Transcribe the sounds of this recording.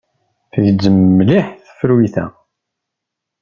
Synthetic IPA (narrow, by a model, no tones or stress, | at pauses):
θəʝdəmːliħθə̥fəɾwiθæ̰